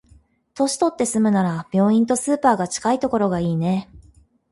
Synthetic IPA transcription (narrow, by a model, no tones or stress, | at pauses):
t̪o̞ɕi̥t̪o̞t̪ːe̞sɨmɯ̟naɾab̥ʲjo̞ːĩnt̪o̞sɨːpaːɡat͡ɕi̥kait̪o̞ko̞ɾo̞ɡaiːne̞